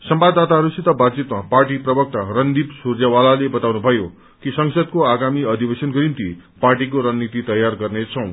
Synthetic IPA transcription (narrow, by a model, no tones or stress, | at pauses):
sʌmbad̪ːat̪aɦʌɾusit̪ʌbad̪t͡sit̪maparʈiprʌbʌk̚t̪arʌnd̪ibsurjawalalebʌt̪awnubʱʌjo | kisʌŋsʌd̪̚koaɡamiʌd̪ʱibesʌnɡʌɾint̪iparʈik̬oɾʌnnit̪it̪ʌjarɡʌrnet͡sʰʌ̃w̃